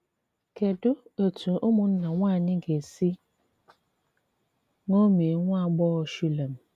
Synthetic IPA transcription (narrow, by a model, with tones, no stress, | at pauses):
ke˨dʊ˦o˨tu˨ʔʊ˦mʊ˨n̩˦na˨ŋʷa˦˨nɪ˦ɡe˨si˦ | ŋo˦me˨e˨˦ŋʷ˦a˦˨ɡ͡bɔ˦˨ʃu˦le˨m̩˨